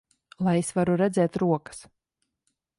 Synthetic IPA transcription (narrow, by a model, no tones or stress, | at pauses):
lˠajesvaɾuɾɛd̪zʲɛːt̪ɾuɔkə̥s